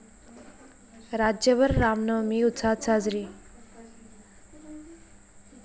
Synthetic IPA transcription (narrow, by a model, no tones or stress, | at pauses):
ɾaːd͡ʒjəʋəɾːaːmnəmiʊt̪saːt͡saːzɾi